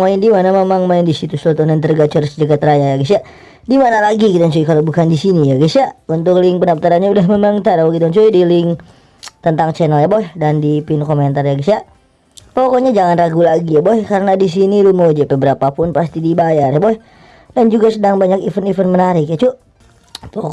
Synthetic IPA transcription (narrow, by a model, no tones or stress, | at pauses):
maɪndimanamemaŋmaɪndisit̪usot̪ɔnant̪ərɡat͡ʃərsd͡ʒəɡat̪ɾajajaɡisa | dimanalaɡikit̪anɲt͡ʃuikalobukandisinijaɡisaʔunt̪ʊklɪŋpənaf̚t̪aɾanɲaudahmemaŋt̪aɾakit̪aɲt͡ʃuidilɪŋ | t̪ənt̪aŋt͡ʃɛnəljaboɛhdandipɪnkoment̪arjaɡisa | pɔkɔɲad͡ʒaŋanraɡulaɡijaboɛhkaɾənadis̬inilumod͡ʒapɛbəɾapapʊnpast̪idibajarjaboɛh | dand͡ʒuɡasədaŋbaɲakifənifənmənaɾɪkjat͡ʃʊ | pɔk